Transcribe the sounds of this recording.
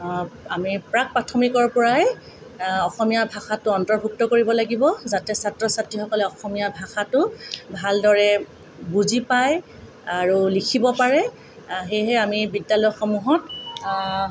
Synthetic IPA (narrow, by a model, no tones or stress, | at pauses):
amipɹak̚patʰɔmikɔɹpɔɹaɛ | ɔxɔmijabʱaxatʊɔntɔɹbʱuk̚tɔkoɹibɔlaɡibɔzatɛsatɹɔsatɹixɔkɔlɛɔxɔmijabʱaxatʊbʱaldɔɹɛ | buzipaj | aɹulikʰibɔpaɹɛ | ɦejɦɛamibidjalɔjxomuɦɔt̚